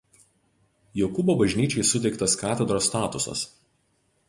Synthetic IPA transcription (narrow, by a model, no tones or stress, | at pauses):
joːkʊboːbɐʒʲnʲiːt͡ʃʲɛɪsʊt̪ʲɛɪkt̪ɐskɑːt̪ʲɛd̪ɾoːst̪ɑːt̪ʊsɐ̰s